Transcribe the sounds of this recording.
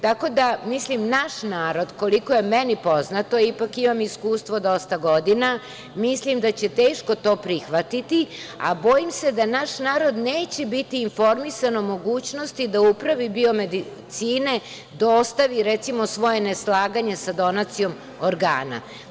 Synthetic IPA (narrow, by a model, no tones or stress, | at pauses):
t̪ako̞d̪amislimnaʃnaːɾo̞d̪ko̞liko̞je̞mɛnipo̞znat̪o̞ipakimamiskuːst̪ʋo̞d̪o̞st̪aɡo̞d̪ina | mislimd̪at͡ɕe̞t̪e̞ːʃko̞t̪o̞ːpɾixʋat̪it̪i | a̰bo̞jimse̞d̪anaʃnaːɾo̞d̪ne̞ːt͡ɕebit̪iːnfo̞ɾmisanomo̞ɡuːt͡ɕno̞st̪id̪aupɾaʋibio̞med̪i | t̪siːne̞ | d̪ost̪aʋiɾet̪simo̞sʋo̞je̞neslˠaːɡaɲe̞sad̪o̞nat̪sijo̞m | oɾɡa̰ːna̰